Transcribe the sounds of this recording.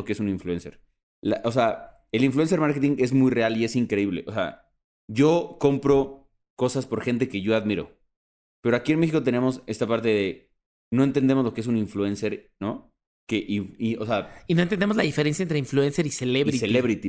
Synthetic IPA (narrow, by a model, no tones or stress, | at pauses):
okeesuniɱfluense̞ɾ | laʔosea | eliɱflue̞ns̬e̞ɾmaɾke̞t̪iŋɡe̞zmujrealie̞siŋkɾe̞iβle̞ʔose̞a̰ | ɟ͡ʝo̞ko̞mpɾo̞ | ko̞saspo̞ɾxe̞nt̪̬e̞ke̞ʝo̞aðmiɾo̞̰ | pe̞ɾoakie̞nme̞xiko̞t̪e̞ne̞mo̞se̞st̪apaɾt̪e̞ðe̞ | no̞e̞nt̪end̪e̞mo̞zlo̞kees̬uniɱfluense̞ɾno̞ | keʔiio̞seaino̞ent̪end̪emozlaðife̞ɾe̞ns̬jaent̪ɾeiɱfluenseɾiseleβɾiseleβɾit̪i